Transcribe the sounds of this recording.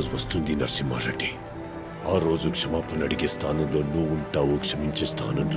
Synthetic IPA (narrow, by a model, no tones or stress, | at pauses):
zʋɐst̪und̪inɐɾsima̰ːɾɐʈe | aːɾoːzukʂɐmaːpɐnɐɽiɡʲest̪ʰaːnɐnlonuːʋuɳʈaːʋokʂɐmiɲʲt͡ʃest̪ʰa̰ːnɐnl